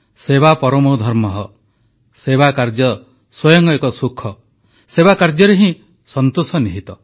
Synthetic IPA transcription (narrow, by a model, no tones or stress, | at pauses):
seβapɔɾɔmod̪ʱɔɾmɔɦɔ | sebakaɾd͡ʒjɔ | swɔjɔŋkɔekɔsukʰːɔ | sebakaɾd͡ʒjɔɾeɦĩ | sɔnt̪usɔniɦit̪ɔ